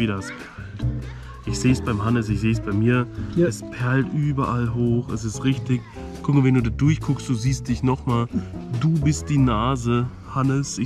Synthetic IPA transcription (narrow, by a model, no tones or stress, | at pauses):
viːdɐaspʰɛɐlt | ʔɪçz̥eːsb̥aɪmhanəs̬ɪçz̥eːsb̥aɪmiːɐɛspʰɛɐltʔyːbɐʔalɦoːxɛ̰s̬ɪstʁɪçtɪç | kʰʊkmvɛnduːdaːdʊɐçkʰʊkstd̥uːziːst̚d̥ɪçnɔχmaːlduːbɪst̚d̥iːnaːzə | hanəsɪ